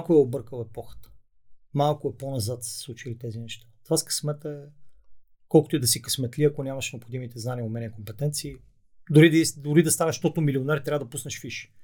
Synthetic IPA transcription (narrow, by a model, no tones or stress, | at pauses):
akʊɛobɤɾkəlˠɛpɔxə̥t̪ə̥ | malˠkʊɛponɐzat̪sə̥slˠut͡ʃilit̪ɛzinɛʃt̪at̪vaskɐ̥smɛt̪əɛ | kɔlˠkʊt̪oʊɛd̪ɐsikɐsmɛt̪liɐkonʲamɐʃnɛopxod̪imit̪ɛznaniəomɛnʲɛɛkompɛt̪ɛnt̪siː | d̪ʊɾid̪isd̪ʊɾid̪ɐst̪anɛʃt̪ɔt̪ʊmilionɛɾt̪ɾavəd̪ɐpusnɐʃfiʃi̥